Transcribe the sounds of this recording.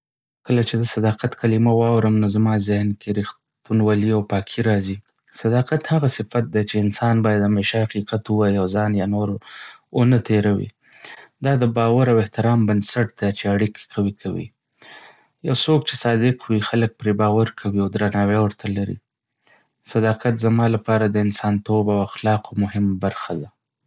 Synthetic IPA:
kəlat͡ʃed̪əsad̪ɑqat̪kʰalimawɑwɾəmnozamɑzɪhnkeɾix | t̪unwaliawpɑkʰiɾɑzi | sad̪ɑqat̪haɣasɪfat̪̚d̪et͡ʃeɪnsɑnbɑjad̪ameʃahaqiqat̪uwajawzɑnjɑnoɾ | onət̪eɾawḭ | d̪ɑd̪əbɑwaɾawɪht̪ɪɾɑmbansaʈ̚d̪̥at͡ʃeaɽikkʰawikʰawḭ | jawsok̚t͡ʃe̥sɑd̪ɪqʰwixalək̚pɾebɑwaɾkʰawiawd̪ɾanɑwewəɾt̪ʰalaɾḭ | sad̪ɑqat̪zamɑlapɑɾad̪əɪnsɑnt̪obawaxlɑqomʊhɪmbaɾxad̪a

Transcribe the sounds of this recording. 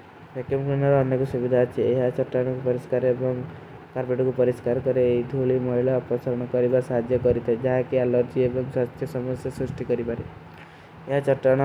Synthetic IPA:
ɾekemkɾunɔɾɔɔnjɔkɔsubid̪ʱat͡ʃʰeeɦat͡ʃɔʈːaɽ̃ɔkupɔɾiskaɾebɔŋ | kaɾpeʈɔkupɔɾiskaɾkɔɾeeid̪ʱuɭimɔɦilaɔpɔsaɾɔɽ̃ɔkɔɾibasaɦad͡ʒ̪jɔkɔɾit̪ʰaed͡ʒaɦakialɔɾd͡ʒiebɔŋswat̪ʰːjɔsɔmɔsjɔsɾusʈikɔɾipaɾe | eɦat͡ʃɔʈːaɽ̃

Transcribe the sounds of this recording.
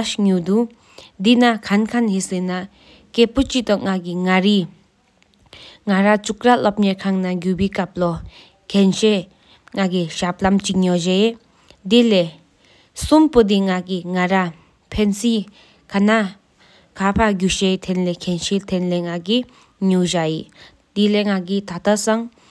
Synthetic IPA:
ɕɲud̪u | d̪inakʰankʰanɦisena | kepot͡ɕiʔt̪ɔŋakiŋaɾi | ŋaɾat͡ɕuk̚ralɔp̚ɲɛkʰaŋnaɡupikap̚lɔ | kʰɛnɕe | ŋak̬iɕap̚lamt͡ɕiɲɔʑe | d̪ile | sumpod̪iŋakiŋaɾa | pʰensi | kʰana | kʰapʰaɡuɕet̪ʰenlekʰenɕet̪ʰenleŋaki | ɲuʑaji | d̪̥ileŋak̬it̪ʰat̪asaŋ

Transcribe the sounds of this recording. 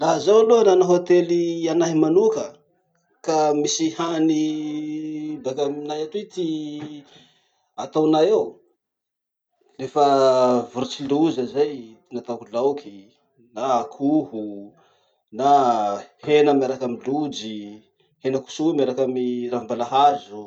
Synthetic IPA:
laɦzawalonanaɦot̪elianaɦimanukə | kamisihani | bakaminajat̪it̪i | at̪awnajew | refəvuɾut͡siluzəzajt̪inat̪akulawkʰi | naːkʰuhu | nahenəmaɾakamilud͡ʒi | henəku̥sumaɾakamiɾambalaɦazu

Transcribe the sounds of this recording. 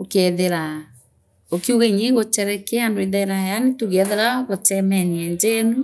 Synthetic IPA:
okɛðeɾa | okiuɣeɲeŋɡot͡ʃɛɾɛkeandoeðɛɾajanetuɣɛðeɾaɣot͡ʃɛmɛniɛnd͡ʒenu

